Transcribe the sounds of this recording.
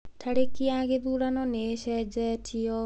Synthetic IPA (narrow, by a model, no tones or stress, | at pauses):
t̪ʰaɽekiaɡed̪uɽanɔneʃɛd͡ʒɛtʰiɔ